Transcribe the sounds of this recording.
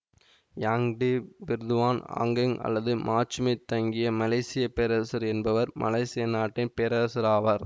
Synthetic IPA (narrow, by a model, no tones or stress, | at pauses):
jaːŋɖibɪɾd̪ɯʋaːna̰ːŋɡɪŋɐ̰lːɐðɯmʔaːt͡ʃːɯmɐɪt̪ːɐŋɡɪjɐmɐlɐɪsɪjɐpɛɾɐsɐɾɛnbɐʋɐɾmʔɐ̰lɐɪsɪjɐnaːʈːɪnpɛɾɐsɐɾaːʋɐɾ